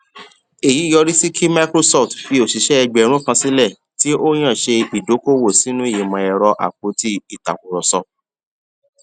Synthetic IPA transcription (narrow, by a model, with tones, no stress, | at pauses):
e˨ji˨˦jɔ˧ɾi˦si˦kʰi˦ma˦kɾo˦sɔ˦˨ftfi˧o˨si˨ʃɛ˦ɛ˧ɡ͡bɛ˨ɾ̃ũ˦kã˧si˦lɛ˦˨ | ti˦o˦j̃ã˦˨ʃe˧i˨do˨˦ko˦˨wo˦˨si˨˦nũ˦i˦˨ji˨mã˧ɛ˧ɾɔ˧ʔa̰˨k͡po˨˦ti˧i˦˨ta̰˨ku˨ɾɔ˨sɔ˨